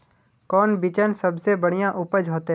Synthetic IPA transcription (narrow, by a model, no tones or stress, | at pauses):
kɔːnbit͡ʃənsɐbsebɐɽ̤ijãʔʊpəd͡ʒɦoːt̪e